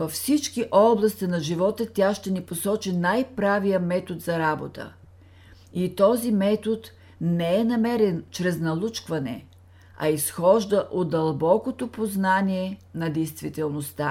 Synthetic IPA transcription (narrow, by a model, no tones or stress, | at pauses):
vɐfsit͡ʃkiʔɔblˠɐst̪inɐʒivɔt̪ət̪ʲaʃt̪ɛniposɔt͡ʃinajpɾavijəmɛt̪od̪zɐɾabo̰t̪ə̰ | it̪ɔzimɛt̪ot̪ | nɛɛnɐmɛɾɛnt͡ʃɾɛznɐlˠut͡ʃkvɐnɛ̰ | ɐ̰isxɔʒd̪əʔoɐlˠbɔkot̪opoznaniɛnɐd̪ɛjst̪vit̪ɛlˠnost̪a